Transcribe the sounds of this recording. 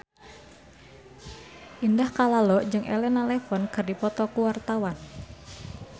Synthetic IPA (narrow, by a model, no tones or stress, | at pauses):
ʔindahkalalɔʔd͡ʒɨŋʔḛlɛnalɛfɔnkərdipɔt̪ɔkuwart̪awan